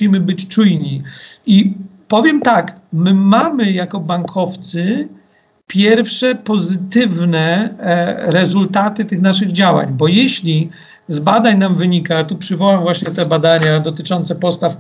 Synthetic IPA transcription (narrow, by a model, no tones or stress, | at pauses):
imɘbɘt͡ɕt͡ʂujɲiipɔvʲjɛmt̪akmɘmamɘjakɔbaŋkʰɔft̪sɘ | pʲjɛɾfʂɛpɔzɘt̪ɘvnɛ | ɾɛzult̪at̪ɘt̪ɘxnaʂɘɣd͡ʑawa̰ɲbɔjɛɕlʲi | zbad̪aɲnamvɘɲikat̪ɔpʂɘvɔwamvwaɕɲɛt̪ɛbad̪aɲad̪ɔt̪ɘt͡ʂɔnt̪sɛpɔst̪af